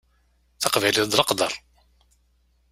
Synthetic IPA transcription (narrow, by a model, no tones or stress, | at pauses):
θɑqvæjləd̪lɑqd̪ɑ̰ɾˤ